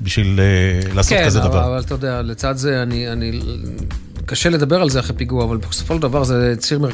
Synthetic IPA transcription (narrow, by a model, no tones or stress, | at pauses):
biʃvilelaːsoketkazedavavalt̪ajod̪ealet͡sad̪ze̞aniani | kaʃe̞le̞d̪abe̞ʁalzeaχepiɡuaːvalbsofoʃed̪avaʁzet͡siʁmeʁ